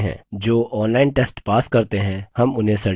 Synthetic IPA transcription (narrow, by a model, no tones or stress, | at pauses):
ɦɛ̰̃ːd͡ʒoːʔɔːnlaːɪnʈeːsʈpaːskɐɾt̪eɦɛ̃hɐmʊnɦẽsɐɽ